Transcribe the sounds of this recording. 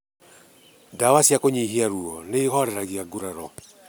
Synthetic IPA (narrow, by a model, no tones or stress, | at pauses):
dawasiakoɲeiɦeaɾuɔneːhɔɾɛɾaɣiaɡuɾaɾɔ